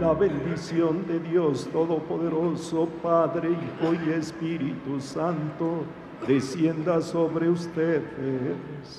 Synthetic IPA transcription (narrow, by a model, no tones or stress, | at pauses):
laβend̪isjond̪eðjost̪oðopoðeɾosopaðɾeixojespiɾit̪usant̪o | ðesjend̪asoβɾeust̪eðes